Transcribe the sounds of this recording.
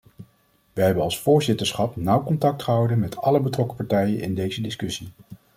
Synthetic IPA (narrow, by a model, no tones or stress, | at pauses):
ʋəɦɛbənɑlˠsfʊːɹzɪtəɹsχɑpnʌwkɔntɑk̚tχəɦɑwdənmɛtɑləbətrɔkəpɑɹtɛjənʔɪ̰ndejzədɪskɵsi